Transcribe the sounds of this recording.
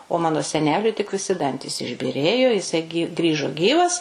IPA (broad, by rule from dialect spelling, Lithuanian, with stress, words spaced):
oː ˈmɑːnoː sʲɛˈnʲæːlʲʊɪ tʲɪk ʋʲɪˈsʲɪ ˈdɐnʲtʲiːs ɪʒʲbʲiːˈrʲeːjoː jɪˈsɐɪ ɡʲɪ ˈɡrʲiːʒoː ˈɡʲiːʋɐs